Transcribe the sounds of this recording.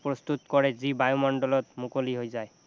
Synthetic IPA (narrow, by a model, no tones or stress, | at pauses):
pɹɔst̪ut̪kɔɹɛzibajomɔnɖɔlɔt̪mukoliɦojzaj